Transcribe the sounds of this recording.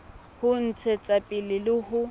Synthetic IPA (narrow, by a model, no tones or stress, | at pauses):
hʊn̩t͡sʰɛt͡sʼapʼɪlɪlɪhʊ